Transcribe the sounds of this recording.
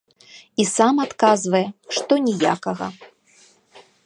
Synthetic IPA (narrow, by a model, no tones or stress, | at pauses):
isamat̪kazvɐjɛʂt̪ɔnʲɛja̰kɐɣɐ̰